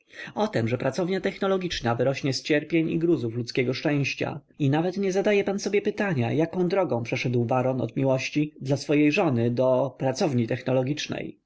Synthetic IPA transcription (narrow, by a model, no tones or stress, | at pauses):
ɔt̪ɛmʐɛpɾat̪sɔvɲat̪ɛxnɔlɔɡʲit͡ʂnavɘɾɔɕɲɛst͡ɕɛɾpʲjeɲḭɡɾuzuflut̪skʲɛɡɔʂt͡ʂɛ̃w̃ɕt͡ɕa̰ | inavɛt̪ɲɛzad̪ajɛpansɔbʲjɛpɘt̪aɲa̰jakɔ̃w̃d̪ɾɔɡɔ̃w̃pʂɛʂɛd̪wbaɾɔnɔ̰d̪mʲiwɔɕt͡ɕid̪lasfɔjejʐɔnɘd̪ɔpɾat̪sɔvɲit̪ɛxnɔlɔɡʲit͡ʂnɛ̰j